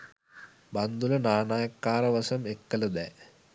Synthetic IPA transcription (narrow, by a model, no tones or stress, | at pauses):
bɐnd̪ulɐnaːnaːjɐkːaːrɐʋɐsɐmekːɐlɐd̪eː